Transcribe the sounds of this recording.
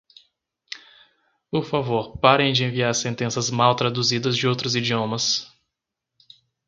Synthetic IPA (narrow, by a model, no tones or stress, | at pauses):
ʊfavoɾpaɾẽj̃d͡ʒɪẽviaɾsẽnt̪ẽsɐzmawt̪ɾad̪uzid̪ɐzd͡ʒɪowt̪ɾʊzid͡ʒiõmɐs